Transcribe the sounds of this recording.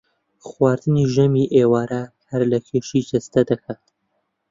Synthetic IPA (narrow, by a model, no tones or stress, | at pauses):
χwɑːɾd̪ɨniʒɛmiʔeːwɑːɾɐhɐɾlɐkʰeːʃid͡ʒɐst̪ɐd̪ɐkʰaːt̪